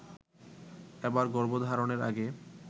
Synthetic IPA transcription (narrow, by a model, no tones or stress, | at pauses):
ebaɾɡɔɾbod̪ʱaɾoneɾa̰ɡe